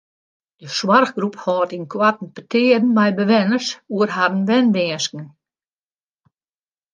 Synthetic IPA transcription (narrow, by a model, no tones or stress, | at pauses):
d̥əswarxɡruphɔːtinkʰwatn̩pətʰɪədn̩mɛjbəʋɪnərsuərɦadn̩ʋɛndɪːskŋ̩